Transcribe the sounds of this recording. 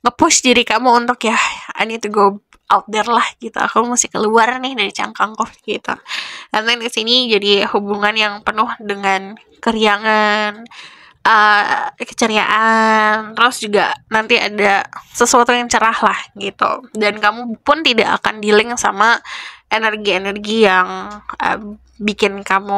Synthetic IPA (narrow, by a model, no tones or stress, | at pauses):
ŋəpʊsdiɾikamuunt̪ʊkjaha̰nit̪uɡob̚ | ʔat̪̚dɛrlahɡit̪ṵa̰kumasɪhkəluarnɪhdaɾit͡ʃa̰ŋkaŋkɔfɡit̪ṵkant̪aŋisinid͡ʒadihubuŋanjaŋpənʊhdəŋan | kəɾiaŋan | ʔəkə̥t͡ʃəɾia̰ʔant̪ɾʊsd͡ʒuɡa̰nant̪ia̰dasəsuat̪ujaŋt͡ʃəɾahlahɡit̪ṵdankamupʊnt̪idaʔa̰ka̰ndilɪŋsa̰maʔenərɡienərɡijaŋə̰ | bikɪnkamu